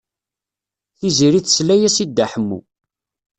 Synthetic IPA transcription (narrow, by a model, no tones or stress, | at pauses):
θiziɾiθslæjæsid̪ːaħəmːṵ